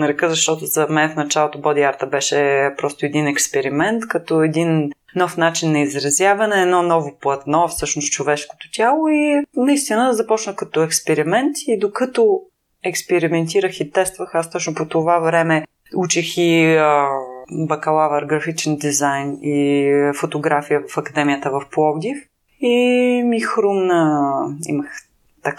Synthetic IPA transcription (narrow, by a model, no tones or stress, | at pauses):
nɐɾɛkəzɐʃt̪ɔt̪ʊzɐmɛnɛfnɐt͡ʃalˠot̪obɔd̪iaɾt̪əbɛʃɛpɾɔst̪ʊɛd̪inɛkspɛɾimɛnt̪kɐt̪ɔɛd̪in | nɔfnat͡ʃinːɐizɾɐzjavɐnɛɛːd̪nɔnɔvoplˠɐt̪nɔfsɤʃnostt͡ʃovɛʃko̥t̪o̥t̪ʲalˠoinɐist̪inəzɐpɔt͡ʃnəxkɐt̪ɔɛkspɛɾimɛnt̪id̪okɐt̪o | ɛkspɛɾimɛnt̪iɾəxit̪ɛst̪vəxast̪ɔt͡ʃnʊpot̪ovavɾɛmɛ | ut͡ʃɛxi | bɐkɐlˠavəɾɡɾɐfit͡ʃɛnd̪izajnifot̪oɡɾafijəvɐfɐkɐd̪ɛmijət̪əvɐfplˠɔvd̪ʲif | imixɾumnəḭməx | t̪ɐk